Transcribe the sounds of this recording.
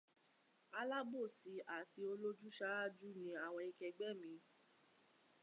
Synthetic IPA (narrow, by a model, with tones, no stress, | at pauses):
a˧˦la˦bo˦˨si˨˧ʔa˦˨ti˧o˧lo˦d͡ʒu˦ʃa˦a˦˨d͡ʒu˦nĩ˧˦a˨w̃ɔ̃˧i˧kɛ˧ɡ͡bɛ˦˨mĩ˨˦